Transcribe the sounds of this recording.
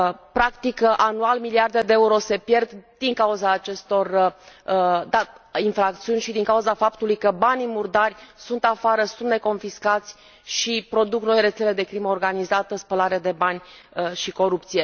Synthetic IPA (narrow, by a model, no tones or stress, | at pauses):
pɾakt̪ikʔanualmiliard̪ed̪e̞euɾo̞se̞pje̞rd̪d̪̥iŋkauzaːt͡ʃe̞st̪o̞r | d̪ainfɾakt̪siunʲʃid̪iŋkauzafapt̪ulujkəbanimurd̪arʲsunt̪afaɾəsund̪ne̞ko̞nfiskat̪sʲ | ʃipɾo̞d̪uknojre̞t̪se̞le̞d̪e̞kɾiməorɡanizat̪əspəlaɾead̪e̞banʲʃiko̞ɾupt̪sije̞